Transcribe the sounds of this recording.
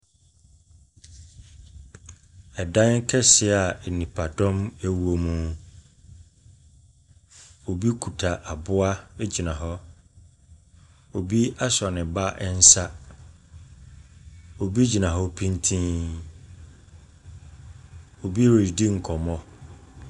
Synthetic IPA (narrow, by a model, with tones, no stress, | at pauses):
ɛ˨dã˦ŋ˦kʰɛ˦sɪ˦a˨nĩ˨pʰa˨dɔ̃˦mæ˦wu˨o˨mũ˦ | o˨bi˦kʰu˨tʰa˨ʔa˨bʊ˦a˦ɛ˦d͡ʑi˨nã˨ɦɔ˦ | o˨bi˦a˦sɔ˨nɪ̃˨ba˦ʔɛ˦n̩˦sa˦ | o˨bi˦d͡ʑi˨nã˨ɦɔ˦pʰĩ˦n˦tʰĩ˦ | o˨bi˦we˨i˨di˦ŋ̩˨kʰɔ˨mɔ̃˦